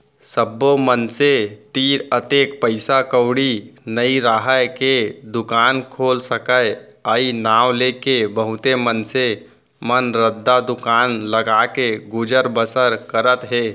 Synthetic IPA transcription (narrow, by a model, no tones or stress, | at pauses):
səbːomənset̪iːɾət̪ekpəɪsakəʊɽinəiɾaɦəked̪ʊkaːnkʰoːlsəkəjəinawlekebəɦʊt̪emənse | mənɾəd̪ʱːad̪ʊkaːnləɡakeɡud͡ʒəɾbəsəɾkəɾət̪ɦeː